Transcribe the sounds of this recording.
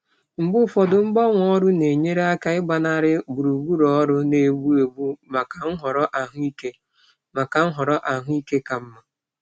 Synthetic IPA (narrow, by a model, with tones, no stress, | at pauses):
ŋ͡m̩˨ɡ͡bʊ˦fɔ˨dʊ˨ŋ͡m̩˦ɡ͡bɔ˦ŋʷ˨ɔ˦ɾʊ˦ne˨ɲe˦ɾe˦a˦ka˦ɪ˦ɡ͡ba˨na˦ɾɪ˦bu˨ɾu˨ɡʷu˦ɾɔ˦ɾʊ˦ne˨ɡ͡bu˦e˨bu˦ma˨ka˨ŋ̩˦ɦɔ˨ɾɔ˦ʔa˨ɦʊ˦i˦ke˦ | ma˨ka˨ŋ̩˦ɦɔ˨ɾɔ˦ʔa˨ɦʊ˦i˦ke˦ka˨m̩˦ma˨